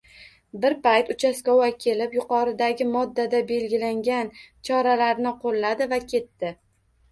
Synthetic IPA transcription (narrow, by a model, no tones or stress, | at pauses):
bɪɾpajt̪ʊt͡ʃʰaskɒwakʲʰe̞lɪpjʊqʰɒɾɪd̪aɡʲɪmɒd̪ːad̪abe̞lɡʲɪlaŋɡʲant͡ʃʰɒɾalaɾnɪqʰolˠːad̪ɪvakʲʰe̞t̪ːɪ